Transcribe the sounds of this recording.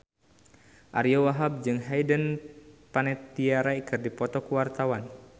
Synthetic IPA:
ʔa̰ɾiowaɦab̚d͡ʒɨŋɦajdənpanɛt̪iaɾaikɨrdipɔt̪ɔkuwart̪awan

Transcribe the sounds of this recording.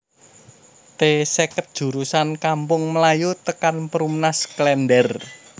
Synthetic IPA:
t̪esekət̪̚d̥ʒ̥ṳɾusankampʊŋməlajut̪əkanpəɾumnasklɛndɛr

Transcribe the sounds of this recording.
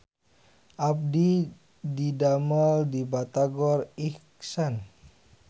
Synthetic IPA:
ʔap̚di | didamaldibat̪aɡɔriksan

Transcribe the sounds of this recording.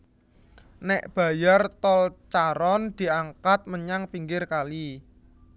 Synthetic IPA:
nɛʔb̥ä̤jart̪ɔlt͡ʃaɾɔnd̪̥i̤aŋkat̪̚məɲaŋpiŋɡɪrkali

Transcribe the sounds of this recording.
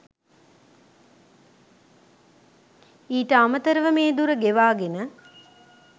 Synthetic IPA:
iːʈəamət̪əɾəʋəmeːd̪uɾəɡeʋaːɡenə

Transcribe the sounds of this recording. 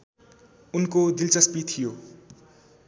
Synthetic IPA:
unkod̪ilt͡sʌspit̪ʰijo

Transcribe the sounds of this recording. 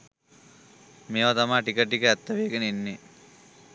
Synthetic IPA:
meːʋat̪amaːʈikəʈːikəæt̪ːəʋeːɡənəenːe

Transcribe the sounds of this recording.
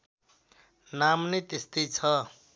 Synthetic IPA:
namnʌjt̪est̪ʌjt͡sʰʌ

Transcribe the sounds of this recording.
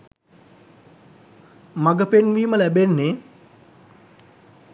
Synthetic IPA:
maɡəpenʋiːməlæbenːe

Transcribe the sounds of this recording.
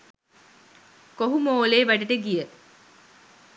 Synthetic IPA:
koɦumoːleːʋæɖiɖəɡijə

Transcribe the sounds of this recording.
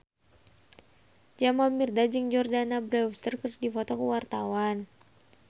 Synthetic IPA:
d͡ʒamalmirdad͡ʒɨŋd͡ʒɔrdanabɾɛwst̪ərkərdifɔt̪ɔkəwart̪awan

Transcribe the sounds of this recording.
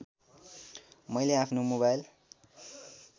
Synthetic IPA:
mʌjleapʰnomoβajl

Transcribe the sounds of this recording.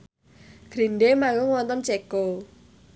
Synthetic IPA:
ɡ̥ɾinɖemaŋɡʊŋwɔnt̪ɔnt͡ʃeko

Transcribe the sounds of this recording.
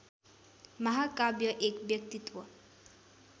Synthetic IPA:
mɐɦakabjəʔekbjɐkt̪it̪ʋə

